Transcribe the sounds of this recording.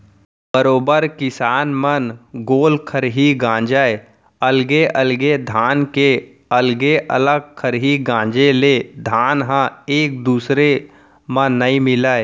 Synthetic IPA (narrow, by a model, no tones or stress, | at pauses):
bəɾoːbəɾkɪsaːnmənɡoːlkʰəɾɦiɡãːd͡ʒəe | əlɡeʔəlɡed̪ʱaːnke | əlɡeʔə̰ləɡ̚kʰəɾɦiɡãːd͡ʒeled̪ʱaːnɦãeːk̚d̪uːsɾe | mə̃ːəĩmɪləːe